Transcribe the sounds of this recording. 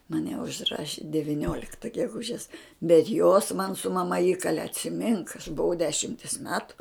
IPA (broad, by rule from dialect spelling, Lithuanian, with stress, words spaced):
mɐˈnʲɛ ʊʒˈrɑːʃʲɪ dʲɛʋʲɪˈnʲoːlʲɪktɐ ɡʲɛˈɡʊʒʲɛs bʲɛt joːs mɐn sʊ mɐˈmɐ ˈiːkɐlʲɛ ɐtʲsʲɪˈmʲɪŋk ɐʃ bʊˈʋɐʊ ˈdʲæːʃʲɪmʲtʲeːs ˈmʲæːtʊ